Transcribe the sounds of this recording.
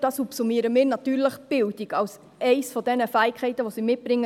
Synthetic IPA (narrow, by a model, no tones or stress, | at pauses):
d̥ɑːsupsumiːəɾəmɪːɾnɑt̪yːɾləχb̥ɪldiɡɑws | ʔɛɪsfɔd̥ɛnəfæːɪkχɛɪtəʋɔsimɪt̚b̥ɾɪŋːə